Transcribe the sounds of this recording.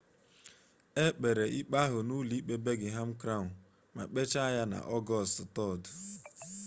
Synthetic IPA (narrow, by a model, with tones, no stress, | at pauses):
e˦k͡pe˨ɾe˨ʔi˦k͡pa˦ɦʊ˨nu˦li˦k͡pe˦be˦ɡɪ˨ɦa˦m̩˦kɾa˦˨ | ma̰˨k͡pe˦t͡ʃa˦a˦ja˦na̰˨ʔɔ˦ɡɔ˦˨stʊ˨tɔ˦˨dʊ˨